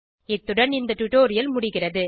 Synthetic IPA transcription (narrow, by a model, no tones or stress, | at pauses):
ɪt̪ːʊɽɐɳɪnd̪ɐʈʊʈoːɾɪjɐlmʊɽɪɣɪrɐðɯ